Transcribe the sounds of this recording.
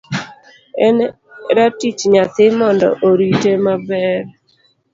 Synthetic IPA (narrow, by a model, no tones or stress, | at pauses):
ɛn | ɾatit͡ʃɲat̪ɪmɔndɔ̰ʔoɾitemabɛɾ